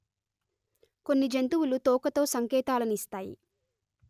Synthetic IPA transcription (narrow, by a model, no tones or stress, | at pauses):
ko̞nːid͡ʒent̪uwulut̪ɔːkɐt̪o̞ːsɐŋkɛːt̪aːlɐnist̪aːjḭ